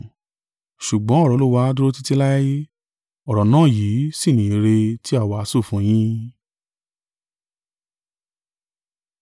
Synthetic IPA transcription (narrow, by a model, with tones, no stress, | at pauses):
ʃu˨ɡ͡bɔ̃˨˦ɔ˦˨ɾɔ˨˧˦lu˦wa˧˦du˦ɾo˦ti˦ti˦la˦ja˦je˦ | ɔ˨ɾɔ˨nãː˦˨jiː˨˦si˦˨nĩ˨i˧ɾe˧ti˦a˦˨wa˨a˨˦su˦˨fũ˨˧˦j̃ĩ˦